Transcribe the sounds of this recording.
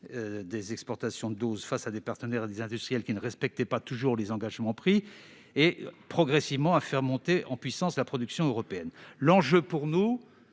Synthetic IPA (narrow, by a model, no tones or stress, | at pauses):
d̪ezɛkspɔʁt̪asjɔ̃əd̪ozfasad̪epaʁt̪ənɛʁed̪ezɛ̃d̪yst̪χijɛlkʲinəʁɛspɛk̚t̪ɛpat̪uʒuʁlezɑ̃ɡaʒmɑ̃pχi | epχɔɡʁɛsivmɑ̃afɛʁmɔ̃t̪eʔɑ̃pɥisɑ̃slapχɔd̪yksjɔ̃øʁɔpeɛnlɑ̃ʒøpuʁnu